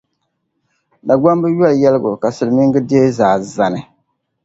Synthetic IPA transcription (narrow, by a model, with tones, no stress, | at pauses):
da˨ɡ͡ba˦mbɨ˦jɔ˦ljɛ˦lɨ˦ɡʊ˨ka˨sɨ˨lɨ˨mi˦ŋɡɨ˦de˦zaː˨za˨nɨ˦